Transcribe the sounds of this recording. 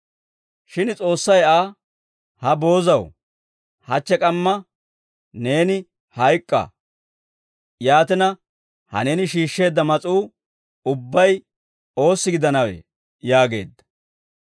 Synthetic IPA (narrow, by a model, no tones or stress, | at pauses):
ʃɪnt͡sʼo̞ːsːɐjaː | hɐbo̞ːzɐw | hɐt͡ʃːɛkʼɐmːɐ | ne̞ːnɪ | hɐjkʼːɐ̰ | jaːt̪ɪnɐ | hɐ̰ne̞ːnɪʃiːʃːe̞ːd̪ːɐmɐt͡sʼuː | ʊbːɐj | o̞ːsːɪɡɪd̪ɐnɐwḛ | jaːɡe̞̰ːd̪ːɐ̥